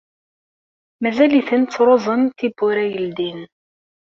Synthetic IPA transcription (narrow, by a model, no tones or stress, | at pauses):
mæzæliθənt͡sːɾˤoðˤənt̪ibːʊɾæjəld̪in